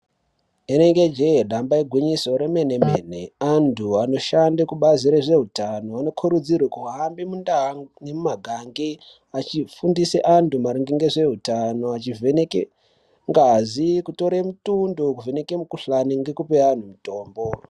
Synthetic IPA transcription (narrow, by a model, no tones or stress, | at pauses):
eneŋɡe̞d͡ʒeeɗambaiɡʱwiɲiso̞ɾeme̞ne̞meːne̞andʰuano̞ʃandekuɓaziɾeʐe̞ɦutano̞ano̞kʰuɾud͡zirwekuɦaɦambimundaɦanemumaɡʱaŋɡi | at͡ʃifundiseʔantumaɾiŋɡiŋɡeʐe̞ɦutano̞at͡ʃivenekḛ | ŋɡazikuto̞ɾemutundokuve̞ne̞kemukuɬaniŋɡe̞kupean̤umuto̞ːmbo